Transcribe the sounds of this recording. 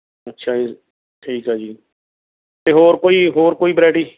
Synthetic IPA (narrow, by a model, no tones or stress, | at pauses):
ətːʃʰaː | ʈʰiːkɦaːd͡ʒiː | t̪eːɦoːɾkoːiːɦoːɾkoːiːbɾɛːʈiː